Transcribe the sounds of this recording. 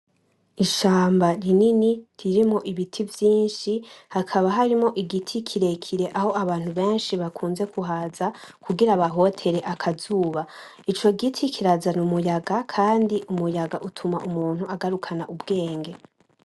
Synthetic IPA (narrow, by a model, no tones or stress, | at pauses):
iʃaːmbaɾininiɾiɾimo̞ʔiβitʰivjiːnʃihakʰaβaɦaɾimo̞ʔiɡitʰikʰiɾe̞kʰiɾe̞ʔaho̞aβaːn̥huβe̞ːnʃiβakʰuːnze̞kʰuɦaːzakuɡiɾaβaɦo̞tʰe̞ɾe̞ʔakʰazuːβa | it͡ʃo̞ɡitʰikʰiɾazanumujaɡakʰaːndiʔumujaɡaʔutʰumaʔumuːnhuaɡaɾukʰanaʔubɡe̞ːŋɡe̞